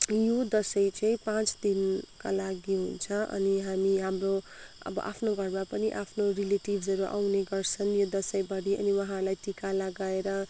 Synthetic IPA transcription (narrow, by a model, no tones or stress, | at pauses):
jod̪ʌsʌjt͡sʌĩpãt͡sd̪inkalaɡiɦunt͡sʰʌʔʌ̰niɦamiɦamro | ʌ̰bʌ̰ʔa̰pʰnoɡʱʌrmapʌniʔapʰnorileʈibʱd͡zʱʌɾuʔa̰wneɡʌrt͡sʰʌnjod̪ʌsʌjbʌɽiʔʌ̰niwʌɦãlajʈikalaɡaeɾʌ